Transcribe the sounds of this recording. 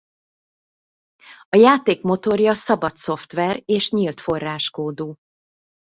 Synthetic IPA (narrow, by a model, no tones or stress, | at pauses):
ɒjaːt̪eːkmo̞t̪o̞rjɒsɒbɒt̪so̞ft̪ʋɛreːʃɲilt̪fo̞rːaːʃkoːd̪uː